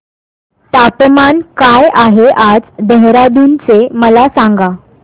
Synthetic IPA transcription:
t̪apmankajaɦeʔad͡zd̪əɦɾad̪unt͡seməlasaŋɡa

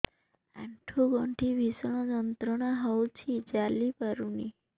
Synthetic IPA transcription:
a̰ɳʈʰuɡɔɳʈʰibʱisɽ̃ɔd͡ʒɔnt̪ɾɔɽ̃aɦɔwt͡ʃʰid͡ʒalipaɾuni

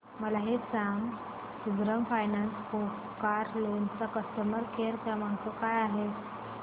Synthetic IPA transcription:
məlaɦet͡saŋɡ | suɡɾəmfajnansko | kaɾlont͡sakəst̪əməɾkʰeɾt̪jamaŋkəkajaɦe

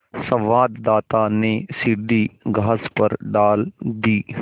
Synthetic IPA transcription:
sɐ̃ʋaːd̪d̪aːt̪anesid̪iːɡʱaːspɐɾɖaːld̪iː

